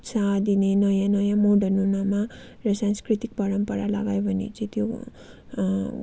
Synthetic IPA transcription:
sad̪inenʌjãnʌjãmoɖʌnunʌma | rʌsanskrit̪ik̚pʌɾʌmpʌɾala̰ɡajbʱʌnḛt͡sʌ̃j̃t̪ʰjo

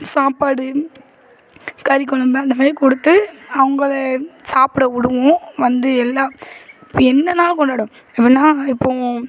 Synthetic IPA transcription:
saːpaːɽɯ | kɐɾɪkːɔɭɐmbɐɐnd̪ɐmɐːlɪkɔɽɯt̪ːɯɐʋɐŋɡɐɭɐsaːpɪɽɐʊɽɯʋʊ̃ʋɐnd̪ɯɛlːaːɪɪpːoɛnːɐnaːlkɔɳɖaːɽɯ̃ | ɪpːɪnːaːɪpːo

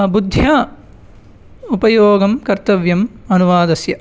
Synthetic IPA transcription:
bud̪ʱjaː | upɐjoːɡɐmkɐɾt̪ɐʋjɐmɐnuʋaːd̪ɐsjɐ

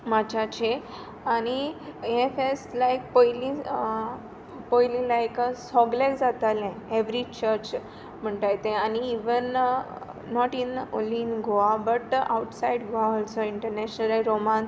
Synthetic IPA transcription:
mad͡ʑʰʱat͡ɕʰe | añiefeslajk̚poilĩ | poilĩlajksɔɡlekd͡zat̪alɛ̃eʋɾit͡ɕəɾt͡ɕ | m̤əɳʈajt̪ẽaniiʋənː | ɔʈino̰linɡʱoabəʈa̰uʈsaiɖɡʱoaəlsəiɳʈəɾnɛɕnəlaɾomans

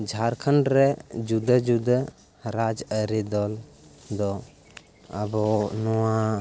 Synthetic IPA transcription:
d͡ʒʱaɾkʰənɾɛd͡ʒud̪əd͡ʒud̪ə | ɾad͡ʒəɾid̪ɔl | d̪ɔ | əbɔnɔwa

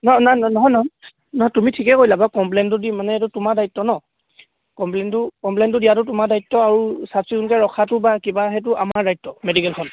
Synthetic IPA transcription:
nɔnanɔnɔɦɔjnɔɦɔ | nɔɦɔtumitʰikɛkojlabakɔmplɛntʊdimanɛtutʊmaɹdajtːɔnɔ | kɔmplɛntʊkɔmplɛntʊdijatʊtʊmaɹdajtːɔaɹusapsikunkɛɹɔkʰatʊbakibaɦɛt̬ʊʔamaɹːajtːɔmedikɛlkʰɔn

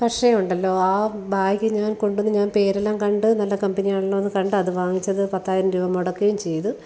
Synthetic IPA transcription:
pɐkʂejɐmuɳɖɐlːo̞ːaːbaːjkʲːɨɲaːnko̞ɳɖunːɨɲaːnpe̞ːɾɐlɐːmkɐɳɖɨnɐlːɐkɐmbɐnijaːɭulːɐʋɐnːɨkɐɳɖɨɐðɨʋaːŋit͡ɕːɐðɨpɐt̪ːaːjiɾɐmɾuːʋɐmoɽɐkːejumt͡ɕe̞jɐðɨ

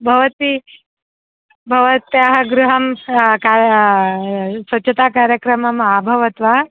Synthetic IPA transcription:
bʱɐʋɐt̪i | bʱɐʋɐt̪jaɦɐɡɾuɦɐmka | sʋɐt͡ʃʰet̪aːkaːɾjɐkɾɐmɐmabʱɐʋɐt̪ʋa

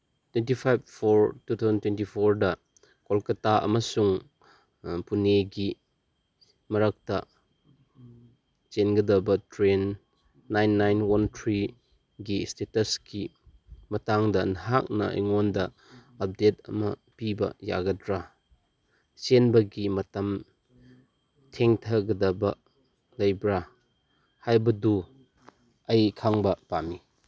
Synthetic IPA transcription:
twentipʰajb̚pʰoɾtut̪ʰazɐntwentipʰoɾdɐ | kolkɐtaɐ̰mɐsuŋ | puneɡi | mɐɾɐk̚tɐ | t͡ʃenɡɐdɐbɐtɾenː | ajnːajnwɐntʰɾi | ɡistetɐski | mɐtaŋdɐnɦak̚nɐ̰ʔḭŋondɐ | ɐp̚det̚ɐ̰mɐpibɐ̰ja̰ɡɐdɾa | t͡ʃenbɐɡimɐtɐm | tʰeŋtʰɐɡɐdɐbɐ | lɐjbɾa | hajbɐdu | ɐjkʰaŋbɐpami

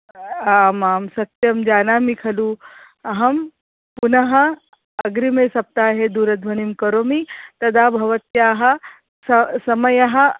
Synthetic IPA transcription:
aːmaːmsɐt̪jɐmd͡ʒaːnaːmikʰɐluː | ɐɦɐm | punɐɦɐ | ɐɡɾimeːsɐp̚t̪aːɦed̪uːɾɐd̪ʱʋɐnimkɐɾoːmit̪ɐd̪aːbʱɐʋɐt̪jaːɦɐ | sɐsɐmɐjɐɦɐ̆

